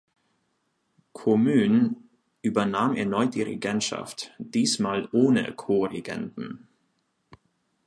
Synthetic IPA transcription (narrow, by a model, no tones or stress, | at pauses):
kʰomyːn | ʔyːbɐnaːmɛɐnɔʏt̚d̥iːʁɛ̰ɡɛntʃa̰ftd̥iːsmaːlʔoːnə̰kʰoːʁɛɡɛ̰ndn̩